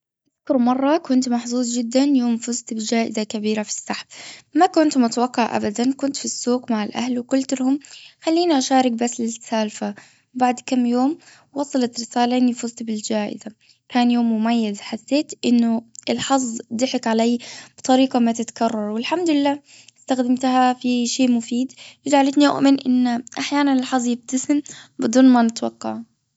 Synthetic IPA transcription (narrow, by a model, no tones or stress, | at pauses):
ʔaðkʊɾmɑrˤːɑkʊnt̪mɑħzˤuːzˤd͡ʒɪd̪ːanjoːmfʊzt̪bɪd͡ʒaːʔɪ̰zakabiːɾafi̥sːaħfmakʊnt̪mʊt̪awɑqːɑʕʔa̰bad̪ankʊnt̪fisːuːɡmaʕɪlʔa̰hlwkʊlt̪lhʊmxalːiːniʔaʃaːɾɪk̚basːlɪt̪saːlfa | baʕd̪kamːjoːm | wɑsˤɑlɑt̪ɾɪsaːlaʔɪnːifʊzt̪bɪld͡ʒaːʔɪ̰za | kaːnjoːmːʊmajːazħasːeːt̪ʔɪnːʊʔɪlħɑzˤd̪ɪħɪkʕaleːb̥ɨt̪ˤɑɾiːqɑmat̪ɪt̪kɑrˤːɑɾˤwɪlħamd̪ʊlɪlːaː | ɪst̪axd̪ɪmt̪hafiʃeːʔmʊfiːd̪jɪd͡ʒʕalɪt̪niʔʊ̰ʔmɪnʔɪ̰nːʔaħjaːnanɪlħɑzˤjɪb̚t̪asɪmbɨd̪ˤuːnmanɪt̪wɑqːɑʕ